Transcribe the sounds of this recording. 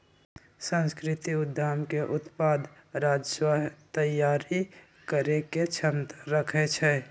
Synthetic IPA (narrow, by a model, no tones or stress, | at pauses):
sə̃nskɾɪt̪iʊd̪ʱːaːmkeʔʊt̪paːd̪ʱ | ɾaːd͡ʒswaɦt̪əjːaːɾi | kəɾeket͡ʃʰəmt̪ɾəkʰet͡ʃʰɛ